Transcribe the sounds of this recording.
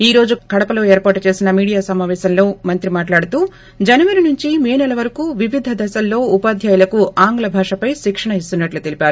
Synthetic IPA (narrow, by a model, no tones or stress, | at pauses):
iːɾo̞ːd͡ʒukɐɽɐpɐlo̞ːeːɾpaːʈut͡ʃe̞ːsinɐmiːɽijaːsɐmaːʋɛːsɐmlo̞ːmɐnt̪ɾimaːʈlaːɽut̪uː | d͡ʒɐnɐʋɐɾinuɲt͡ʃimeːnɐlɐʋɐɾɐkuːʋiʋid̪ʱɐd̪ɐsɐlːo̞ːupaːd̪ʱjaːjulɐkuaːŋɡlɐbʱaːʂɐpɐjʃikʂɐɳɐis̬t̪unːɐʈlut̪e̞lipʲaːɾu